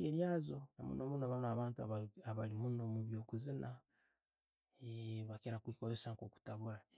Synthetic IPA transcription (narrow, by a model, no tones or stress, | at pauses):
eɾjazonamṵnomunoβanaβaːntuaβaβalimunomuβjoːkuzinʔa | eβakeɾakwikojosaŋkoku̥taβuɾa